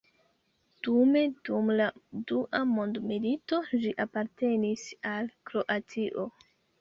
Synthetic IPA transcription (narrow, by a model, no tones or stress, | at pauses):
d̥ume̞dumladuʔamo̞ndmilito̞d͡ʒiʔapaɾte̞nisalkɾo̞ʔatiʔo̞